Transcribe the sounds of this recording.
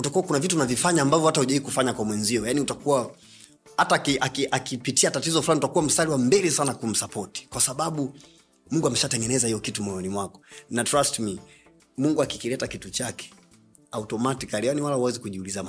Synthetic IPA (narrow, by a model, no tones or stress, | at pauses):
utakuwakunavituːnavifaɲaːmbavjɔhatahuʄaiːkufaɲakwamwɛnziɔjaniutakuwa | hataːkiʔakiʔakipitiatatizɔfuaniutakuwam̩saliwambɛlɛsanakum̩sapɔti̥kwasaɓaɓu | muŋɡuamɛʃatɛŋɡɛnɛzahijɔkitumɔjɔnimwakɔ̥natɾastmi | muŋɡuaki̥kilɛtakitut͡ʃakɛ̥ | autɔmatikaɾianiwalahuwɛzikuʄiuliza